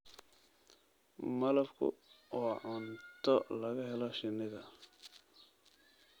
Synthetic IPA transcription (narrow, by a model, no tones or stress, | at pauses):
mɐlɐbkʰʊ̰ɔːʕʊnt̪ʰɔlɐɣɐɦɛlɔʃɪnːɪɣɐ